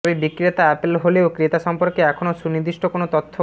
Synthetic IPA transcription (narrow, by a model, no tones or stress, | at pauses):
bibikɾet̪aɛpelɦoleokɾet̪aʃɔmpoɾkeɛkʰonoʃunid̪iʃʈokonot̪ot̪ʰːo